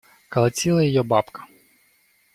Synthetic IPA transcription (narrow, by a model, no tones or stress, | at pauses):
kɐlˠɐt͡sʲilˠɐjɔjɔbɑpkɐ̥